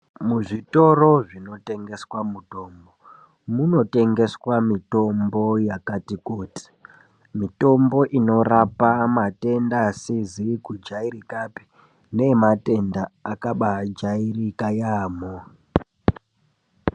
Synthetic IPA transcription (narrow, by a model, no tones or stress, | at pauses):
muʐito̞ro̞ʐino̞te̞ŋɡe̞swamuto̞ːmbo̞ | muno̞te̞ŋɡe̞swamito̞mbo̞jakatikuːti̥ | mito̞mbo̞ʔino̞rapamate̞ndasizikud͡ʒaiɾikapi̥ | ne̞mate̞ndaːkaɓad͡ʒairikajaːmo